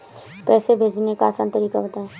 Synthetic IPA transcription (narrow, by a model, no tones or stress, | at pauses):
pɛːsebʱeːd͡ʒnekaːsã̰ːnt̪əɾika̰bət̪aɦɛː